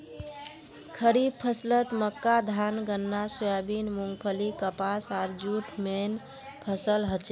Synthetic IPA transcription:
kʰəɾib̚pʰəslət̪məkːad̪ʱanɡənːasujabinmuŋɡpʰəlikəpasaɾd͡ʒuʈʰmen | pʰəsəlɦət͡ʃ

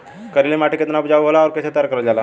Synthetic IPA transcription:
kəɾilemaʈʰəket̪napd͡zaʋuʋolaɔoɾkəsat̪jaɾkəɾəd͡zala

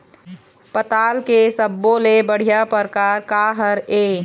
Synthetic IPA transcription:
pət̪aːlkesəbːolebəɽ̤ijapəɾkaːɾkaːɦəɾeː

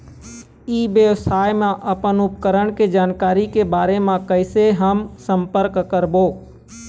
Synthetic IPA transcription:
iːʋjəʋsaːjmãʔɐpənʊpkəɾəɽ̃ked͡ʒaːnkaːɾikebaːɾemãkəɪseɦəmsə̃mpəɾkkəɾboː

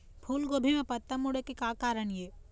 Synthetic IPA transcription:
pʰuːlɡobʱimẽpɐt̪ːəmːʊɽekekaːkaːɾəɳjeː

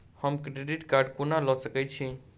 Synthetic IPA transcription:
həmkɾeɖiʈkaɾɖkunalɔsəkɛt͡ʃʰi

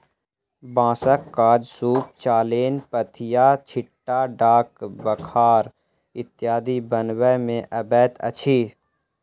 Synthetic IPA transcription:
bãːsəkːaːd͡ʒsuːp̚t͡ʃaːleːnpət̪ʰɪjaːt͡ʃʰɪʈːaɖaːkbəkʰaːɾ | ɪt̪ːjaːd̪ibənwəmẽʔəbɛːt̪ə̰t͡ʃʰiː

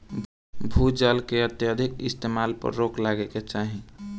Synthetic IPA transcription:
bʱud͡ʒalkeət̪jəd̪ʱikḭst̪emalpə̰ɾːoklaɡeket͡ʃaɦi

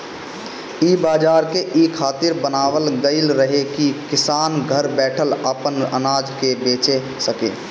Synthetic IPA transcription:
ibaːd͡ʒaːɾkeʔikʰaːt̪ɪɾbənaːʋəlɡəɪlɾəɦekikɪsaːnɡʱəɾbɛːʈʰələpənə̰naːd͡ʒkebeːt͡ʃe | səkḛː

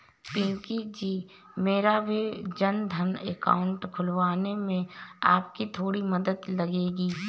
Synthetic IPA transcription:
pĩːkid͡ʒiː | meːɾabʱid͡ʒənd̪ʱəneka̰ːʊ̃ɳʈkʰʊlʋaːnemẽaːpkit̪ʰoːɽiməd̪əd̪lɐɡeːɡiː

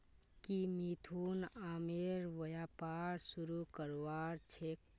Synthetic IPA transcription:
kimit̪ʰunaːmeɾʋəjaːpaːɾsuɾukəɾʋaːɾt͡ʃʰek

